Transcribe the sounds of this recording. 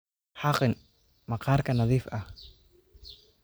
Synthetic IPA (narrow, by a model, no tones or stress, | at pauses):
ħɑqɪn | mɑqaːrkʰɐnɐðiːfʔɐh